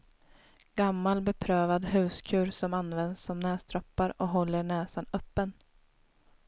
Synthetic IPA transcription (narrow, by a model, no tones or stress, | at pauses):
ɡ̥amːalbɛpʰɾøːvad̪ɦʉ̟ːskʰʉ̟ːɾsɔmanvɛnd̪sɔmnɛːst̪ʰɾɔpːaɾɔɦɔlːəɳɛːsanœpːən